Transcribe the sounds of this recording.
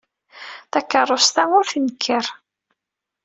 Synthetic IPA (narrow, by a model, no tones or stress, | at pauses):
θækːərˤːost̪æŋʊɾθənkʰːəɾ